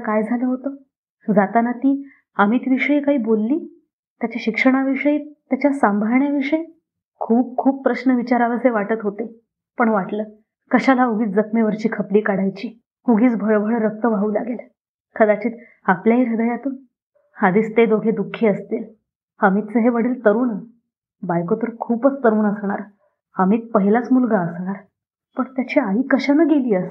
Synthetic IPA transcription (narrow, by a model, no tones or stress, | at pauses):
kajd͡zʱaləːɦot̪ə | d͡zat̪anat̪iː | amiːt̪iʋiʂəiːkaɦiːbolːiː | t̪jat͡ɕaɕikʂəɽ̃aʋiʂəit̪jat͡ɕjasambʱaɾɳjaʋiʂəj | kʰuːp̚kʰuːp̚pɾəɕnəʋit͡ɕaɾaʋəɾseʋaʈət̪ɦot̪e | pəɳʋaʈləː | kəɕalaoɡʱiːt͡sd͡zəkʰmeʋəɾt͡ɕiːkʰəpliːkaɽajt͡ɕiː | oɡiːt͡sbʱəɭbʱəɭɾək̚t̪əʋʱaɦuːla̰ɡel | kʰəd̪at͡ɕiːt̪ | apljaɦiːɾəd̪əjat̪uːn | had̪iːst̪ed̪oɡʱed̪ukʰːeəst̪iːl | həmiːt̪̚t͡səɦeʋəɽiːlt̪əɾuːnə | bajkot̪əɾkʰuːpət͡st̪əɾuːnəsɳ̃aɾ | həmiːt̪̚pəɦilat͡smulɡaəsɳ̃aɾ | pəɳt̪jat͡ɕiaɦiːkəɕanəɡeliːəs